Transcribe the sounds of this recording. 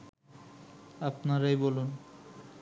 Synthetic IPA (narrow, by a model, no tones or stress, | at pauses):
apnaɾajbolun